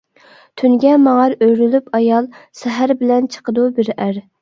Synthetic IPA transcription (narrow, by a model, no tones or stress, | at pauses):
t̪ʰynɡʲɛmɑŋɑɾøjɾylypʰɑjɑlˠsɛɦæɾbɪlɛnt͡ʃʰə̥qəd̪ubɪɾæɾ